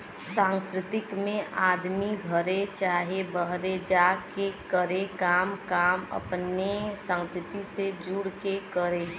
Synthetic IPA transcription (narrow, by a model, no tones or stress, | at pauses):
sãŋskɾɪt̪ɪkmẽʔaːd̪miɡʱəɾet͡ʃaːɦebəɦɾed͡ʒakekəɾekaːmkaːmə̰pnesãŋskɾɪt̪ised͡ʒuɽkekəɾe